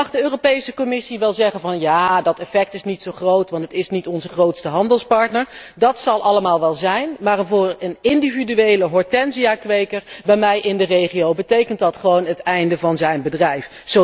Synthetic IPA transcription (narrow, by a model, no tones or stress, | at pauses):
ɑχdəøːropejsəkɔmɪsiʋɛlˠzɛχənvɑnjaːdɑtɛfɛk̚tɪsnitsowχrowtʋɑntətɪsnitɔnzəχrowtstəɦɑndəlˠspɑɹtnəɹ | dɑtsɑlˠʔɑləmaːlˠʋɛlˠzɛjnmaːrənvʊːɹənɪndividyejləɦɔɹtɛnziakʋejkəɹbɛjmɛjʔɪndərejχiowbətejkəntdɑtχəʋownətɛjndəvɑnzɛjnbədrɛjf | so